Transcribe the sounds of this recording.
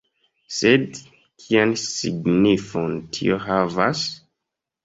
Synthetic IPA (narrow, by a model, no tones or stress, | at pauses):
sed | kʰiansḭɡnifontʰḭoɦavas